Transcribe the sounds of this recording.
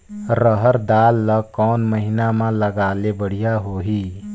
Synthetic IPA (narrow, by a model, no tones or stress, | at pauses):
ɾəɦəɾd̪aːlːəkɔːnməɦɪnamãləɡaːlebəɽ̤ijaɦoːɦiː